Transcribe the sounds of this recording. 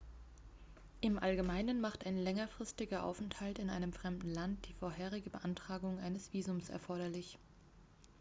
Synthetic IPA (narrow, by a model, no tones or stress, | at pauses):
ʔɪmʔalɡəmaɪnənmaχtaɪnlɛŋɐfʁ̥ɪstɪɡɐʔa̰ʊfɛnthaltɪnʔaɪnəmfʁ̥ɛmdn̩lant̚d̥iːfoːɐɦeːʁ̞ɪɡəbəʔantʁ̥aːɡʊŋʔaɪnəsv̥iːzʊmsɛ̰ɐfɔɐɾɐlɪç